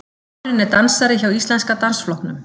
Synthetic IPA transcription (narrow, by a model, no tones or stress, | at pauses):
ɾɪnɛɾt̪ansaɾɪçawist̪lɛnskat̪ansflɔhknʏm